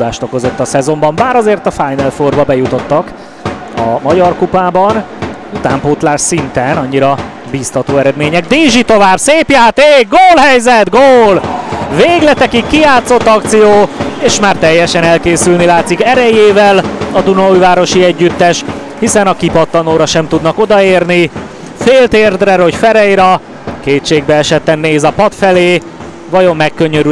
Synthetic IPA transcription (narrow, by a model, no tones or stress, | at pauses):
aːʃt̪o̞ko̞zo̞t̪ːɒsɛzo̞mbɒmbaːɾɒzeːrt̪ɒfajnɛlforvɒbɛjut̪o̞t̪ːɒk | ɒ̰mɒɟɒrkupaːbɒn | ut̪aːmpoːt̪laːrʃsint̪ɛnɒɲːiɾɒ | biːst̪ɒt̪oːɛɾɛd̪meːɲɛɡ̚d̪eːʒit̪o̞vaːbseːpjaːt̪eːɡ̚ɡoːlɦɛjzɛt̪ɡoːlveːɡlɛt̪ɛkikːijaːt̪so̞t̪ːɒk̚t̪sijoːeːʃmaːrt̪ɛjːɛʃɛnɛlkeːsylnilaːt̪sikɛɾɛjeːvɛlɒd̪unɒujvaːɾo̞ʃiɛɟːyt̪ːɛʃ | hisɛnɒkipɒt̪ːɒnoːɾɒʃɛmt̪ud̪nɒko̞d̪ɒeːrni | feːlt̪eːrd̪rɛɾocfɛɾɛjɾɒ | keːtʃeːɡ̚bɛɛʃɛt̪ːɛnːeːzɒpɒt̪fɛleː | vɒjo̞mːɛkːøɲøɾy